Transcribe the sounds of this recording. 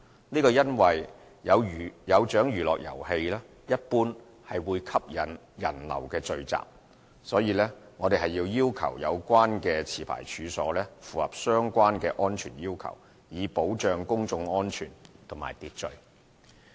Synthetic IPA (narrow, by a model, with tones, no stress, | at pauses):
niː˥kɔː˧jɐ˥nwɐ˨j | jɐ˨˧wjɐ˨˧wt͡ʃœː˨˥ŋjyː˨lɔː˨k̚jɐ̰˨˩whe˧jlɛː˥ | jɐ˥t̚puː˥n | hɐ˨jwuː˨˧jkʰɐ˥p̚jɐ˨n | jɐ˨˩nlɐ̰˨˩wkɛː˧t͡sɵ˨ɥt͡sa̰ː˨˩p̚ | sɔː˨˥jiː˧lɛː˥ŋɔː˨˧t̪e˨jɦɐ˨jːiː˧wjiː˥wkʰɐ̰˨˩wjɐ̰˨˧wkʷaː˥nkɛː˧t͡sʰiː˨˩pʰa̰ː˨˩jt͡ʃʰyː˨˧sɔ̰ː˨˥lɛː˥fuː˨˩hɐ˨˩p̚sœː˥ŋkʷaː˥nkɛː˧ʔɔː˥nt͡ʃʰyː˨˩njiː˥wkʰɐ̰˨˩w | jiː˨˧po˨˥wt͡ʃœː˨˧ŋkʊ˥ŋt͡sʊ˧ŋɔː˥nt͡ʃʰyː˨˩nt̪ʰʊ˨˩ŋma̰ː˨˩jt̪iː˨t̚t͡ʃɵ˨ɥ